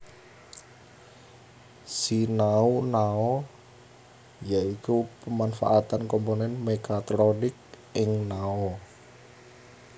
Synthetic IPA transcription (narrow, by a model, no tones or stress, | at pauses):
sinaunaɔ | jaikupəmanfa̰ʔat̪ankɔmponɛnmekat̪ɾonɪk̚ | ɪŋnaɔ